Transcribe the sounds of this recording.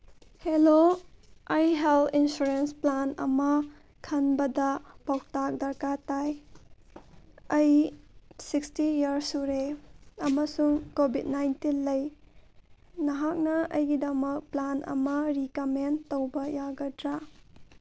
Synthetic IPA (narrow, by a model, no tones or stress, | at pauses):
helo | ɐjɦeltʰinsuɾensplanɐ̰mɐ | kʰɐnbɐdɐpawtak̚dɐɾkataj | ɐj | sikstijɐɾsuɾeɐmɐsuŋkobʱid̚najntinlɐj | nɐɦak̚nɐʔɐjɡidɐmɐk̚planʔɐ̰mɐɾikɐmentowbɐjaɡɐdɾa